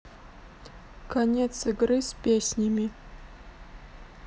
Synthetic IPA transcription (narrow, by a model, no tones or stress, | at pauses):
kʰɐnʲet̪sɨɡrɨsʲpʲesʲnʲɪmʲi